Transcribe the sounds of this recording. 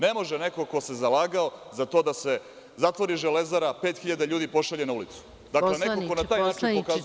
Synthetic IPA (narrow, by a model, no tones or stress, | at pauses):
ne̞mo̞ʒenekoko̞se̞zalaːɡaozat̪o̞ːd̪ase̞ | zat̪ʋo̞ɾiʒele̞zaɾapeːt̪xiʎad̪aʎuːd̪ipo̞ʃaʎenaulit̪su̥ | d̪aklenekokonat̪aːjnnaːt͡ʃinpokaz